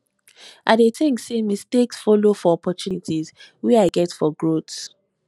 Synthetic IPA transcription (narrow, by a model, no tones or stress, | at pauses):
ʔadetɪ̃ŋsemisteksfɔlofɔɔpɔt͡ʃjunitʰizwɛaɪɡɛtfɔɡɹots